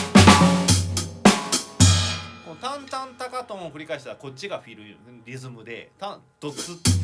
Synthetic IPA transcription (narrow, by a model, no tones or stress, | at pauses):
kont̪ãnt̪ãnt̪akat̪õoɸɯ̟ɾʲikaiɕi̥t̪ako̞t͡ɕːiɡaɸʲiɾɯ̟o | ɾʲizɨmɯ̟d̪e̞̰t̪ãt̪ot͡sɨ